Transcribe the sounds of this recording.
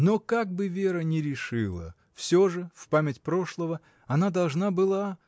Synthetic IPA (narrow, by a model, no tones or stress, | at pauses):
nokaɡ̚bɨvʲe̞ɾənʲɪɾʲɪʂɨlˠə̰ | fsʲoʐɨfpamʲɪtʲpɾo̞ʂlˠəvə | ɐnad̪ɐlˠʐnabɨlˠa